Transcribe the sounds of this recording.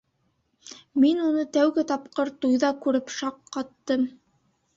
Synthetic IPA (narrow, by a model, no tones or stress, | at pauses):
minunɤt̪æwɡɘt̪ɑpqoɾt̪ujðɑkʉɾɘpʃɑqːɑt̪ːɤm